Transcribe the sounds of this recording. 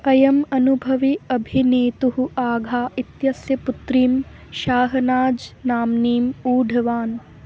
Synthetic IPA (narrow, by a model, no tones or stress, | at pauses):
ɐjɐmɐnubʱɐʋiɐbʱineːt̪uɦuʔaːɡʱaːit̪jɐsjɐput̪ɾiːmʃaːɦɐnaːd͡ʒnaːmniːmuːɖʱɐʋaːn